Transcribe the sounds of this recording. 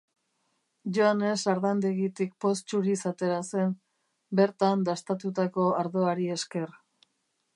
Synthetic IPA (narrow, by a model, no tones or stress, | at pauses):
ʝoane̞saɾðand̪eɣit̪ik̚po̞st͡ʃuɾisat̪e̞ɾase̞n | be̞ɾt̪and̪ast̪at̪ut̪ako̞aɾðo̞aɾie̞ske̞r